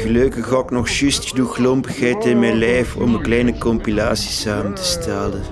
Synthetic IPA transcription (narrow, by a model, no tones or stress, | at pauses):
ɣəløkəxɑknɔxʃystxəduxlɔmpə̥xɛjtɪnmɛjlɛjfɔ̰mənklɛjnəkɔmpilaːsi̥saːməntə̥stʰɛlən